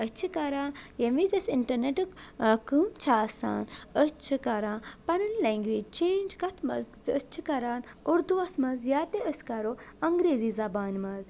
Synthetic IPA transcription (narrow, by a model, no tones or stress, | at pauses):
əst͡ʃʰikɐɾãːjemizɐsiɳʈɐɾneʈɨkkɨmt͡ʃʰaːsa̰ːnəst͡ʃʰɨkɐɾãːpɐnɐlːeŋɡʋiːd͡ʒt͡ʃeːnd͡ʒkɐt̪ʰmɐ̰zə̰st͡ʃʰikɐɾaːn | uɾd̪uʋɐsmɐzjaːt̪eəskɐɾoɐŋɡɾeːziːzɐbaːnmɐz